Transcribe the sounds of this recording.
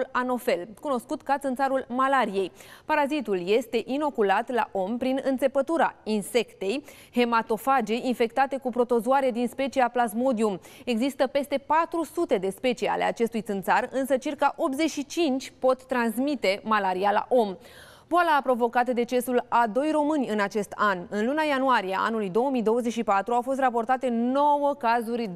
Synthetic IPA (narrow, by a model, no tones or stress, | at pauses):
lano̞fe̞lkuno̞skut̪kat̪sɨnt̪saɾulmalaɾije̞jpaɾazit̪ulje̞st̪e̞ʔino̞kulat̪la̰ʔo̞mpɾinɨnt̪se̞pət̪uɾainse̞kt̪e̞j | he̞mat̪o̞fad͡ʒe̞infe̞kt̪at̪e̞kupɾo̞t̪o̞zoaɾe̞d̪inspe̞t͡ʃiaplazmo̞d̪iume̞ɡzist̪əpe̞st̪e̞pat̪ɾusut̪e̞d̪e̞spe̞t͡ʃija̰le̞at͡ʃe̞st̪ujt̪sɨnt̪sarɨnsət͡ʃirkaʔo̞p̚t̪zet͡ʃʃit͡ʃint͡ʃʲpo̞t̪ːɾansmit̪e̞malaɾiala̰ʔo̞m | boalapɾo̞vo̞kat̪əd̪e̞t͡ʃe̞sulad̪o̞jro̞mɨnʲɨnat͡ʃe̞st̪anɨnlunajanuaɾijeʔa̰nulujd̪o̞wəmijd̪o̞wəzeʃipat̪ɾuawfo̞s̬t̪rapo̞rt̪at̪e̞no̞wəkazurʲ